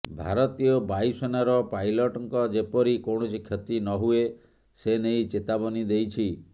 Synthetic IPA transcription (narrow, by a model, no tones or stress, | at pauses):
bʱaɾɔt̪ijɔbajsɔnaɾɔpajlɔʈɔŋkɔd͡ʒepɔɾikoɽ̃ɔt͡ʃʰikʰjɔt̪inɔɦue | senejt͡ʃet̪abɔnid̪ejt͡ʃʰi